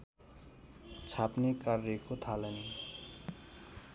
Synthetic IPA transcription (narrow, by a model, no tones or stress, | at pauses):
t͡sʰapnekarːekot̪ʰaleni